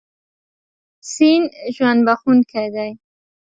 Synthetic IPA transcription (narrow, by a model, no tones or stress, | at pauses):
sinʒwand̪baxunkʰad̪aj